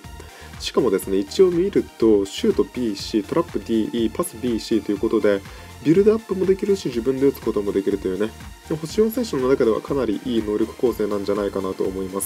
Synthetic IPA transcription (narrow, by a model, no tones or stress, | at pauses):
ɕi̥kamo̞d̪e̞sɨne̞it͡ɕio̞ːmʲiːɾɯ̟t̪o̞ɕɨːt̪o̞bʲiːɕiːt̪o̞ɾʔapːɯ̟d̪ʲiːiːpasɨbʲiːɕiːt̪o̞jɯ̟ko̞t̪o̞d̪e̞ | bʲiɾɯ̟d̪oapːɯ̟mo̞d̪e̞kʲiɾɯ̟ɕiʑibɯ̟̃nd̪e̞ot͡sɨ̥ko̞t̪o̞mo̞d̪e̞kʲiɾɯ̟t̪o̞jɯ̟ne̞ | ho̞ɕiõ̞ːse̞ːɕonːonakad̪e̞βa̰kanaɾʲiʔiːno̞ːɾʲo̞kɯ̟̥ko̞ːse̞ːnãɲ̟d͡ʑanaikanat̪o̞̰ːmo̞imasɨ̥